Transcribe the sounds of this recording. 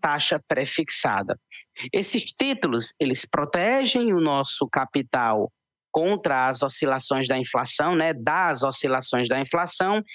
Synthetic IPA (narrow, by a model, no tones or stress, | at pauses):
t̪aʃɐpɾefiksa̰d̪ɐ̰esɪst̪it̪ulʊselɪspɾot̪ɛʒẽj̃ʊnɔsʊkapit̪aw | kõnt̪ɾɐːzosilasõj̃zd̪ɐĩflasɐ̃w̃nɛd̪ɐzosilasõj̃zd̪ɐĩflasɐ̃w̃